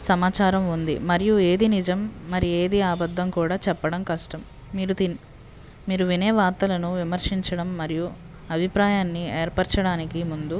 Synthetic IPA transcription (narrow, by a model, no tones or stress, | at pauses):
sɐmaːt͡ʃaːɾɐmund̪ḭmɐɾijue̞ːd̪inid͡ʒɐmːɐɾije̞ːd̪iaːbɐd̪ʱːɐmkuːɽaːt͡ʃɛpːɐɽɐmkɐʂʈɐmː | iːɾut̪in | miːɾuʋinɛːʋaːɾt̪ɐlɐnuʋimɐɾʂiɲt͡ʃɐɽɐmːɐɾiju | ɐbʱipɾaːjaːnːieːɾpɐɾt͡ʃɐɽaːnikimund̪u